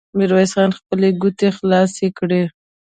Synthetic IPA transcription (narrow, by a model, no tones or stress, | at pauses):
mɪɾwɑjsxɑnxpəleɡʊt̪exlɑsekɽe